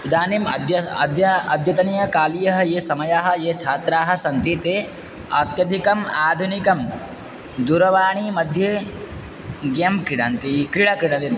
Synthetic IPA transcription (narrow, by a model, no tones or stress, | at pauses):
d̪aːnimɐ̰d̪jɐɐd̪jɐɐd̪ʱjɐt̪ɐnijɐkaːlijɐɦɐjeːsɐmɐjaɦɐ̆jeːt͡ʃʰaːt̪ɾaːɦɐ̆sɐnt̪it̪eː | ɐt̪jɐd̪ʱikɐmaːd̪ʱunikɐm | d̪uɾɐʋaːɳimɐd̪ʱjeː | ɡjɐmkɾiɽant̪ikɾiɽakɾiɽɐ̃nt̪i